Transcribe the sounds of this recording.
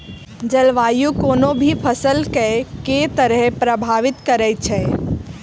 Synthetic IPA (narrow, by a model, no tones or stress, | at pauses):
d͡ʒəlʋaːjukoːnobʱipʰəsəlkɛket̪əɾəɦpɾəbʱaːʋɪt̪kəɾɛt͡ʃʰɛ